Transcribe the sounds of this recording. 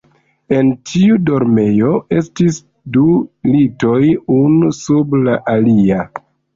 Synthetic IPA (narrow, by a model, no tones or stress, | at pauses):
e̞ntʰiudo̞ɾme̞joe̞stis | dulito̞junusublaʔalia